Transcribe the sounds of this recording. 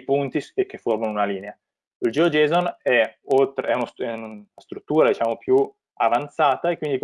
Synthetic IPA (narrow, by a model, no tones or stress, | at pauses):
punt̪isekːeformanunaliːnea | ild͡ʒiod͡ʒɛːzonɛolt̪ɾɛunosɛast̪ɾut̪ːuːɾad̪it͡ʃaːmopju | avant̪saːt̪aekːwind̪ik